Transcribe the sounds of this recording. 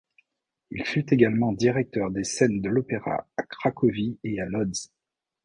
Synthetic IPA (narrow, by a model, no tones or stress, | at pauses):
ilfyt̪eɡalmɑ̃d̪iʁɛk̚t̪œʁd̪esɛnd̪əlɔpeʁa̰akχakʰɔviealɔd̪z